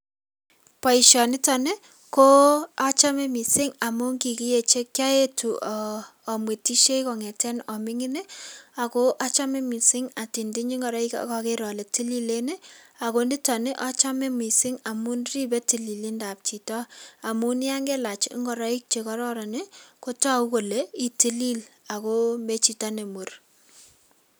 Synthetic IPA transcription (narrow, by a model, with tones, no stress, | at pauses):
pa˨i˨ʃɔ˨nɪ˦tɔ˨ne˦ | ko˦a˦t͡ʃa˦mɛ˦mi˨sɪ˦ŋa˨mu˦ŋɡi˨ki˦je˨t͡ʃe˦kja˦e˦tuː˨ | mwe˨tːi˦ʃe˦ikɔ˨ŋɛ˨tɛ˦nɔ˨mɪ˦ŋɪ˦ne˦a˨ko˦ʔa˦t͡ʃa˦mɛ˦mi˨sɪ˦ŋa˨ti˨ndi˦ɲi˦ŋɡɔ˨ɾa˦i˦ka̰kɔ˨ke˦ɾɔ˨le˨ti˦li˦le˦ne˦a˨ko˦ndi˦tɔ˨ne˦ʔɔ˦t͡ʃa˦me˦mi˨sɪ˦ŋa˨mu˦nri˦bɛ˦ti˨li˨li˦nda˨p̚t͡ʃi˨tɔ˦a˨mu˦n˦ja˦ŋɡɛ˦la˨t͡ʃŋɡɔ˨ɾa˦i˦k̚t͡ʃe˨kɔ˦ɾɔ˦ɾa˨ne˦ko˦ta˦u˦ko˨le˦i˦ti˦li˦la˨ko˦me˦t͡ʃi˨ta˦ne˨mu˨r